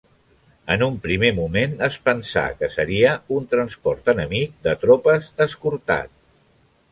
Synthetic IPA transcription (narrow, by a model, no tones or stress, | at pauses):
ənumpɾimemumenəspənsa̰kəsəɾiəunt̪ɾənspɔrt̪ənəmik̚d̪ət̪ɾopəzəskuɾt̪a̰t̪̚